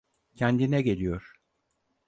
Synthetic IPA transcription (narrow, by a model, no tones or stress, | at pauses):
cʰænd̪inɛɟe̞lʲijoɾ̥